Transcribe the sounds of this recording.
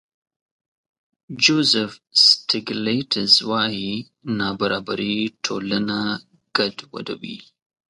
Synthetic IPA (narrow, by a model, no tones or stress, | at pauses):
d͡ʒozəfstʰiɡletʰəzwahi | nabɐɾabɐɾit̪ʰoləna | ɡ̥ɐdwɐ̰dɐ̰wḭ